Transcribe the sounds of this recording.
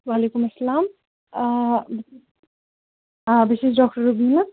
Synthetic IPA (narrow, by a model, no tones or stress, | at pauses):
waːleːkumɐsːɐlaːm | ãbisesɖɔk̚ʈəɾubina